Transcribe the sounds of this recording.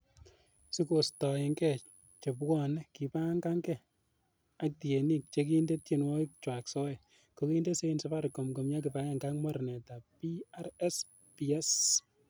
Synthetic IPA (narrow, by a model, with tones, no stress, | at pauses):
si˦ko˨stɔ˨ɪ˨ŋɡɛ | t͡ʃe˨pwɔ˦˨nki˨pa˦ŋɡa˦ŋɡɛ˦˨ | a˦k̚ti˨e˨ni˦k̚t͡ʃe˦k̬i˦nde˦tje˨nwɔ˦i˦kt͡ʃwa˨ksɔ˦ɛ˨ | ko˨ki˦nde˦se˦insɔ˦pa˦ɾkɔ˨mko˨mja˦ki˨pa˦ja˦ŋɡa˦kmɔ˦ɾnɛ˨ta˨pi˦a˦ɾɛ˦s | pi˨ɛ˦s